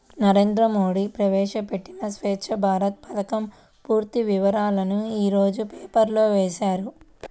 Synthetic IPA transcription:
nɐɾe̞ːnd̪ɾɐmo̞ːɽipɾɐʋɛːʂɐpeʈːinɐsʋeːʂɐbʱaːɾɐt̪̚pɐt̪ɐkɐm | puːɾt̪iʋiʋɐɾaːlɐnuiːɾo̞ːd͡ʒupeːpɐɾlo̞ːʋeːʃaːɾu

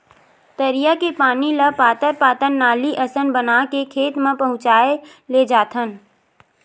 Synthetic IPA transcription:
t̪əɾijakepaːniləpaːt̪əɾpaːt̪ənːaːliʔəsənbənaːkekʰeːt̪mẽpɐɦʊ̃t͡ʃaːe | led͡ʒaːt̪ʰən

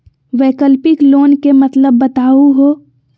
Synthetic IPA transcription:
ʋeːkəlpɪkloːnkemət̪ləbːət̪aːuɦoː

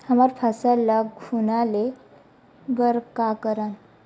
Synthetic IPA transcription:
həmaɾpʰəsələɡunale | bəɾkakəɾən

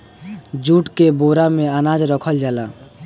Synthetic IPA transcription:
d͡ʒuʈkeboɾameanad͡ʒɾəkʰəld͡ʒala

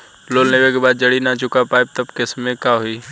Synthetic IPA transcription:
loːlnebek̬ebaːd̪̚d͡ʒɐɽinat͡ʃʊkapaːeb̚t̪ɐbkesmẽkaːɦʊiː

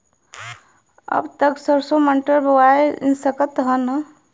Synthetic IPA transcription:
ə̰bt̪əksəɾsoməɳʈəɾbəwaḛsəkət̪ɦən

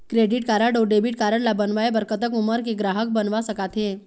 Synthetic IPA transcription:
kɾeɖiʈkaɾəɖoɖebiʈ̚kaɾəɳlabənʋaebəɾkət̪əkuməɾkeɡɾaɦək̚bənʋasəkat̪ɦẽ

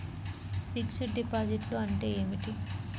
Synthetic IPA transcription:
fiksiʈɖipaːd͡ʒiʈloɐɳʈe̞ːeːmiʈi

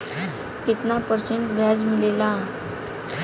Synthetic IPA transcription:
kit̪napəɾseɳʈbʱjad͡zmilelã

